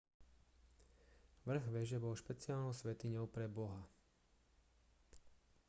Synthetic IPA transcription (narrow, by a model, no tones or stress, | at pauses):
ʋr̩ɣʋɪɛʒɛbɔlʃpɛt͡siɪaːlnɔʊsʋɛt̪iɲɔʊpɾɛbɔɦa